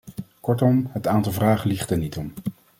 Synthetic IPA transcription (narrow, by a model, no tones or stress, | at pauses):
kɔɹtɔmɦətaːntɑlˠvraːχəliχtɛɹnitɔm